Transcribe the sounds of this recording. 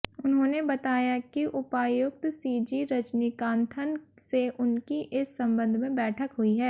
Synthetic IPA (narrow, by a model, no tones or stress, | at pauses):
ʊnɦõːnebɐt̪aːjakiʔʊpaːjʊk̚t̪siːd͡ʒiɾɐt͡ʃnikãːnt̪ʰən | seʔʊnkiʔɪsːɐ̃mbə̃nd̪ʱmẽbɛːʈʰəkɦʊiɦɛː